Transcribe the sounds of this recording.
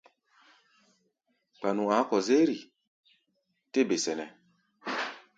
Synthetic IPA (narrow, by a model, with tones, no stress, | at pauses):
k͡pa˨nũ˨a˨˦kɔ˨ze˦ɾi˨ | te˦be˨sɛ˨nɛ˨